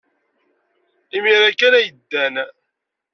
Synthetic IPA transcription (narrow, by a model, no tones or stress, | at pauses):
imiɾækːænæjəd̪ːæn